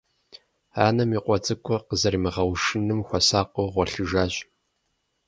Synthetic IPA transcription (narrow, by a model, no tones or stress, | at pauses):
a̰ːnɐmiːqʷʼɔt͡sʼɨkʷʰʼɔqəzɐɾimɨʁɐwʂɨnɨmxʷɔsaːqʷʼoʁʷɔɬɨʒaːɕʼ